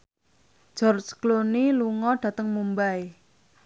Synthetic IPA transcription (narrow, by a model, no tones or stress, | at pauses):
d͡ʒ̥ɔrt͡ʃkloniluŋɔɖ̥ä̤t̪əŋmumbae